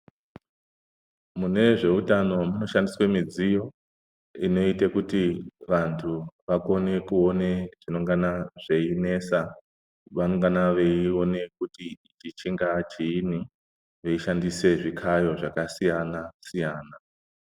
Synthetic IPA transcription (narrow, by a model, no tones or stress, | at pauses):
mune̞ʐe̞utano̞muno̞ʃandiswe̞mid͡zijo̞ | ino̞itekutiʋantʰuʋako̞ne̞kuo̞ne̞ʐ̥ino̞ŋɡanaʐ̥e̞ine̞ːsa | ʋano̞ŋɡanaʋe̞io̞ne̞kuti | t͡ʃit͡ʃiŋɡat͡ʃiːni | ʋe̞iʃandise̞ʐikʰajo̞ʐakasijanasijaːna